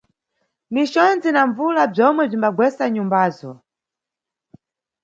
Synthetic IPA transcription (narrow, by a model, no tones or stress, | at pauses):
mit͡ʃɔnd͡zinaɱvulab͡ʐɔmwɛb͡ʐimbaɡwɛsaɲumbaːzɔ